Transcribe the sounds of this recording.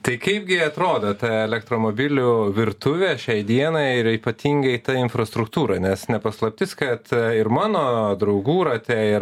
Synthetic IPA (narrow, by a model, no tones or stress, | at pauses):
t̪ɐɪkɐɪpɡʲɪɐt̪ɾoːd̪ɐt̪ɐɛlʲɛkt̪ɾoːmoːbʲɪlʲʊʋʲɪɾt̪ʊʋʲeːʃʲɛɪd̪ʲiɛnɐɪɪɾiːpɐt̪ʲiːŋɡɐt̪ɐɪnfɾɐst̪ɾʊkt̪uːɾɐnʲɛsnʲɛpɐslˠɐpʲt̪ʲɪskɐt̪ɪɾmɑːnoːd̪ɾɐʊɡuːɾɐt̪ʲɛɪ